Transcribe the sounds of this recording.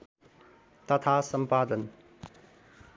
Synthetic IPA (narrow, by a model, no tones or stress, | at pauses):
t̪ɐt̪ʰasɐmpaːd̪ən